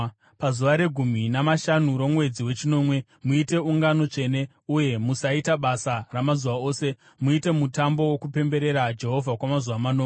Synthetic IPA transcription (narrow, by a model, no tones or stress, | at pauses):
pazuʋaɾe̞ɡʱuminamaʃanuɾo̞mwe̞d͡ziwe̞t͡ʃino̞ːmwe̞ | muite̞uŋɡano̞t͡ʂe̞ːne̞ | uje̞musaitaɓasaramazuʋao̞ːse̞ | muite̞mutambo̞wokupe̞mbe̞ɾe̞ɾad͡ʒe̞ɦo̞vʱakwamazuʋamanoŋ